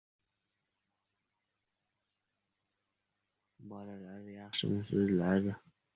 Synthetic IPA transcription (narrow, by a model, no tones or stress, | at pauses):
bɒlalaɾjɑχʃɪ̰nɪsɪzlaɾd̪ɪ